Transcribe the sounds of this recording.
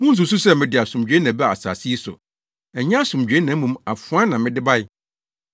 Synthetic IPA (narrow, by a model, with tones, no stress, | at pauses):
mʊ̃˦n̩˨s̬u˨s̬u˦sɛ˦mɪ̃˨dɪ˨a˨sʊ̃˨md͡ʑᶣe˦nã˨bɛ˦a̰˨sa̰ː˨si˦sʊ̰˨ | ɛ˨ɲã˦sʊ̃˨md͡ʑᶣe˦nã˨˦mũ˨ma˨fʊ˨˦ã˦nã˨mɪ̃˦dɪ˦ba˦jɪ˦